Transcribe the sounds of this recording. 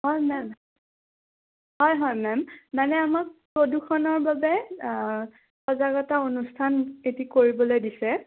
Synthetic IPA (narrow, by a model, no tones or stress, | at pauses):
ɦɔjmɛm | hɔjɦɔjmɛmmanɛamak̚pɹoduxʰɔnɔɹbabɛ | pɔzaɡɔtaonustʰanetikoɹibɔlojdisɛ